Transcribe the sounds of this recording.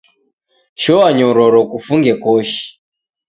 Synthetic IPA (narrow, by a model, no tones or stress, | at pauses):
ʃɔwaɲɔɾɔɾɔkufuŋɡɛkɔʃi̥